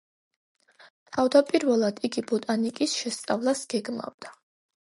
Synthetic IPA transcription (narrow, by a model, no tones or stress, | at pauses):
t̪ʰavd̪apʼiɾvɛlˠad̪iɡibɔt̪ʼanikʼisʃɛst̪sʼavlˠasɡ̥ɛɡma̰vd̪̥a